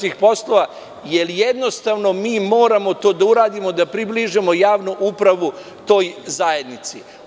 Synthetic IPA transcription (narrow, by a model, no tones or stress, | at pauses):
ixpo̞slˠo̞ʋa | jelijed̪no̞st̪aʋno̞miːmo̞ːɾamo̞t̪o̞ːd̪auɾaːd̪imo̞d̪apɾibliʒimo̞jaːʋnuʔupɾaʋu | t̪o̞ːjzajed̪nit̪si